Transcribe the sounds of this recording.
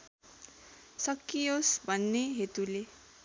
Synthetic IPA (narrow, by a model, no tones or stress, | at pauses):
sʌkːijosbʱʌnːeɦet̪ule